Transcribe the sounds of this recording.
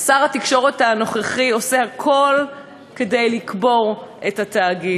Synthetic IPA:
asaʁhatikʃo̞ʁethano̞χeχio̞sehakʰo̞l | kedejlikbo̞ʁʔethat̪aːɡi

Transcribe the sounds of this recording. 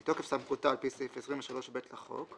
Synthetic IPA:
tokefsamχutaːlpisifesʁimveʃalo̞ʃbetlaχo̞̰k

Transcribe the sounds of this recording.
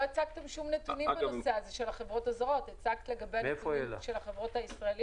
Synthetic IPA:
oet͡sak̚t̪e̞mʃumnetunimbenoseazeʃelhaχe̞vʁo̞tazʁo̞tet͡sakt̪le̞ɡabeefoelʃelaχevʁo̞thaisʁaelij

